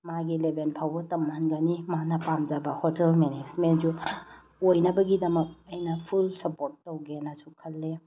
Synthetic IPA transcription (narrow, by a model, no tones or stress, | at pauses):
maɡilebenpʰawbɐtɐmːanɡɐnimanɐpamd͡ʒabɐhotelmened͡ʒmend͡ʒu | ojnɐbɐɡidɐmɐk̚ɐjnɐpʰulsɐpoɾtːɐwɡenɐsukʰɐlːe